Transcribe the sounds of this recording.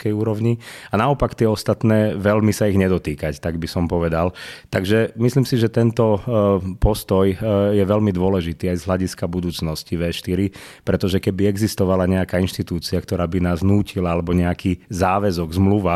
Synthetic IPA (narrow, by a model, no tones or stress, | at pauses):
kɛjuːɾɔʊɲianaɔpakt̪ɪɛɔst̪at̪nɛːʋɛlmisaiɣɲɛd̪ɔt̪iːkact̪aɡbisɔmpɔʋɛd̪alt̪aɡʒɛmisliːmsiʒɛt̪ɛnt̪ɔpɔst̪ɔjjɛʋɛlmid̪ʊɔlɛʒit̪iːajzɦlaɟiskabud̪uːt͡snɔsciʋɛːʃt̪iɾi | pɾɛt̪ɔʒɛkɛbiɛɡzist̪ɔʋalaɲɛakaːinʃt̪it̪uːt͡siakt̪ɔɾaːbinaːznuːcilaalɛbɔɲɛakiːzaːʋɛzɔɡzmluʋa